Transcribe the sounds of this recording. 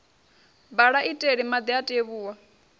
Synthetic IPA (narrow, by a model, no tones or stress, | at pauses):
baɺaʔitʼeɺimad̪iatʼeβuːwa